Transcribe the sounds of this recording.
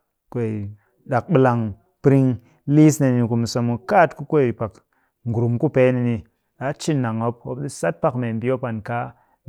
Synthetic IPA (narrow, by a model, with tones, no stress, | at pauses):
kʷe˨ | ɗa˨k̚ɓɨ˧la˨ŋ | pɾi˧ŋ | li˦sne˨ni˧ku˨m˨so˨˧mu˧ka˦˨tku˦kʷo˦i˨pa˨k | ŋɡu˨ɾu˨mku˦pe˨˦ni˧ni˧ | ɗa˨˦t͡ʃi˦nːa˨ŋo˦p̚o˦pɗi˦sa˦t̚pa˦kme˨m˨bi˦o˦pa˨nka˦